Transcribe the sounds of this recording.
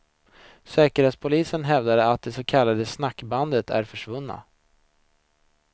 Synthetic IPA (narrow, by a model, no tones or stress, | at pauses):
sɛːkəɾheːt̪spʰʊliːsənɦɛvd̪ad̪əat̪̚d̪ɛsokʰalːad̪əsnakːband̪ət̪ʰæ̰ɾfœʂvɵnːa̰